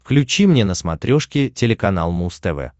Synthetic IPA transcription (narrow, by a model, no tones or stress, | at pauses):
klʲʉt͡ɕimnʲenəsmɐt̪ɾʲoʂkʲɪtʲɪlʲɪkɐn̪a̰lˠmust̪ɛvɛ̰